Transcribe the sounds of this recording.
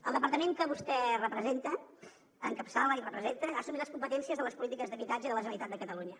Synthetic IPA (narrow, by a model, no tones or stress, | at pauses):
əlˠd̪əpəɾt̪əmẽŋkəβust̪ɛrəpɾəzent̪ə | əŋkəpsaləirəpɾəzent̪əasumit̪ləskumpət̪ɛnsiəzðələspulit̪ikəzðəβit̪ad͡ʒəiðələʒənənit̪at̪̚d̪əkət̪əluɲə